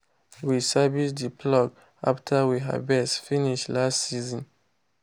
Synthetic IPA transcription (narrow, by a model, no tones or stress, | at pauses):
wisabisdipʰlɔɡ | a̰ftʰawiɦa̰bɛsfiniʃlastsizɔ̃n